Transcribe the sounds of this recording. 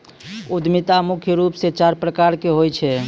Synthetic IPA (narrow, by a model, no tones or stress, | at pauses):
ud̪ʱmit̪amukʰjəɾupset͡ʃaɾpɾəkaɾkeɦojt͡ʃʰɛ